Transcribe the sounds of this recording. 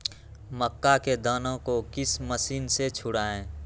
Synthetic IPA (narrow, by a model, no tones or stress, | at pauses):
məkːaked̪əːnõkokɪsməsiːnset͡ʃʰʊɽaːẽː